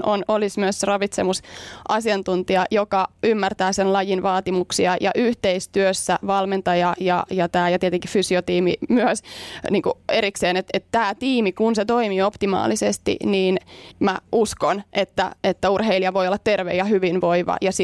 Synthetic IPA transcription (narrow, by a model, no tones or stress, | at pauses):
ʔonolismyøsrɑʋit̪semusʔɑsiɑnt̪unt̪iɑjokɑymːært̪æːsenlɑjinʋɑːt̪imuksiɑjɑ̰ʔyht̪eist̪yøsːæʋɑlment̪ɑjɑjɑ̰jɑt̪æːjɑt̪ieət̪eŋki̥fysiot̪iːmḭmyøsniːŋkueɾikseːnet̪et̪t̪æːt̪iːmikunset̪oimiopt̪imɑ̰ːlisest̪ḭniːnmæʔuskonʔet̪ːæ̰et̪ːæurɦeiliɑʋo̞ijolːɑt̪t̪erʋḛjɑɦyʋinʋoiʋɑ̰jɑsi